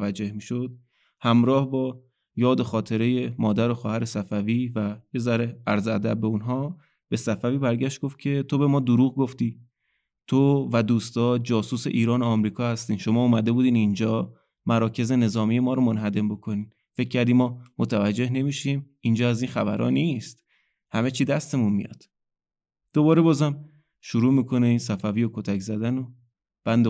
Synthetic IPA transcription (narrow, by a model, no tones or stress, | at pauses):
væd͡ʒːe̞hmiːʃod̪̥̚ | hæmɾɒːhbɒː | jɒːd̪o̞xɒːt̪ʰe̞ɾe̞je̞mɒːd̪æɾo̞xɒːhæɾe̞sæfæviːvæjezæɾeæɾzæd̪æ̰b̚ːe̞unɦɒː | b̥e̞sæfæviːbæɾɟæʃt̪̚ɡ̥o̞ft̪̚cʰe̞t̪ʰo̞be̞mɒːd̪oɾuːɣɡo̞ft̪iː | t̪ʰovæd̪uːst̪ɒːd͡ʒɒːsuːse̞ʔiːɾɒːnoɒmɾiːkʰɒːhæst̪iːnʃo̞mɒːuːmæd̪e̞buːd̪iːnind͡ʒɒː | mæɾɒːcʰe̞ze̞ne̞zɒːmije̞mɒːɾomonɦæd̪e̞mbo̞kʰo̞niːn | fe̞cʰːæɾd̪iːmɒːmot̪ʰævæd͡ʒːe̞hne̞miʃiːmind͡ʒɒːæziːnxæbæ̰ɾʔɒ̰ːnist̪ | hæme̞t͡ʃʰiːd̪æst̪e̞munmḭjɒ̰ːd̪̥ | d̪̥oβɒːɾe̞bɒːzæm | ʃuɾuːmiːkʰo̞ne̞insæfæviːjokʰo̞t̪ʰæczæd̪æno | b̥ænd̪e